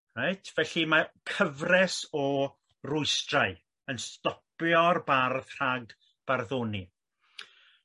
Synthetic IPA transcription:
rajtʰvɛɬimakʰəvrɛsɔ | rʊɨstraɨ | ənstɔpjɔrbarðr̥aɡ | b̥arðoːni

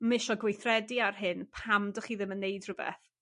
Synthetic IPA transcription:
mɪʃɔɡwejθrɛdiarɦɨnpʰamdəχiːðɪmənːejdrʊbɛ̰θ

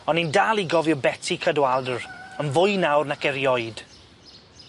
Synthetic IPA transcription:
ɔnindaːlˠiɡɔvjɔbɛtʰikʰədwalˠdəɹənvʊjnawrnakɛɾjɔjd̥

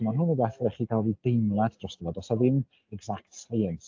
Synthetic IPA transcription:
manɦʊnəbɛθɾɛχikʰalˠvid̥ejmlˠadd̥rɔsd̥əvɔdɔsaðɪm | ɛɡzaktsajən

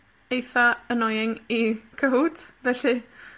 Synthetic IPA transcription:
ejθaənɔjɪŋiɡ̥ʰəwdvɛɬi

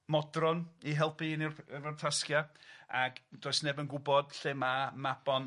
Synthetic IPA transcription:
mɔdrɔniɦɛlˠpinirrvartʰaskjaaɡd̥oːɨsnɛbənɡʊbɔd̥ɬɪmamab̥ɔn

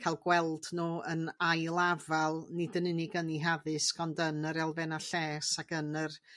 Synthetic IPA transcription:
kʰajlˠɡwɛlˠdnuːənajlˠavalˠnɪdənɪnɪɡəniɦaðɨskɔndənəɾɛlˠvɛnaɬɛːsaɡənər

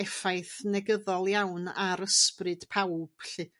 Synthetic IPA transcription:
ɛfajθnɛɡəðɔlˠjawnaɾəsprɨd̥pʰawb̥ɬɪ

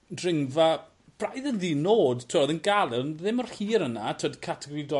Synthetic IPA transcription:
drɪŋva | b̥rajðənðiːnoːdtʰɔɔðənɡalˠɛnðɪmɔr̥hiːɾənatʰodkʰatʰɪɡridɔ

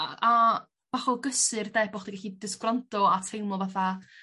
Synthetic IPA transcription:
aa | v̥aχɔɡəsɨrdɛbɔχd̥iɡaɬidɪskrantɔatʰejmɔvaθa

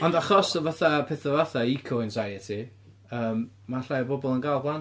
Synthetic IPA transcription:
ɔndaχɔsɔvaθapʰɛːθəvaθaikʰɔɪnsajɛtʰi | əːm | maɬajəbɔbɔlˠənɡalˠɡlˠan

